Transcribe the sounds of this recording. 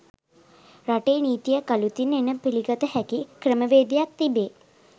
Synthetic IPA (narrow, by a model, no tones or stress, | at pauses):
raʈeːniːt̪ijəkalut̪inenəpiliɡət̪əhækikɾəməʋeːd̪ijak̚t̪ibeː